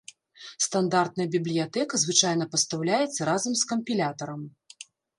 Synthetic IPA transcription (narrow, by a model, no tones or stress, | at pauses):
st̪and̪art̪̚nɐjɐbʲiblʲijat̪ɛkɐzvɨt͡ʂajnɐpɐst̪awlʲajɛt̪sːɐɾazɐmskɐmpʲilʲat̪ɐɾɐm